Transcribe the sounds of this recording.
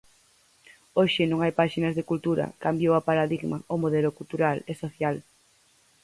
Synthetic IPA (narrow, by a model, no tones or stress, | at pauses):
oʃɪnõŋajpaʃinɐzðekult̪uɾa̰kambjowapaɾaðiɣmaomoðɛlʊkult̪uɾalesoθjal